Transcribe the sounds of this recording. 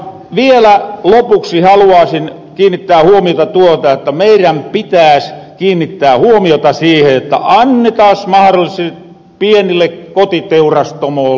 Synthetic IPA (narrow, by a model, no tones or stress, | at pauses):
ʋielælopuksihɑluɑːsin | kiːnːit̪ːæːhuomiot̪ɑt̪uot̪ɑot̪ːɑmeiræmpit̪æːskiːnːit̪ːæːhuomiot̪ɑsiːheot̪ːɑ̰ʔɑnːet̪ɑsmɑhɾolːˑise | pienilːekkot̪it̪eurɑst̪omoː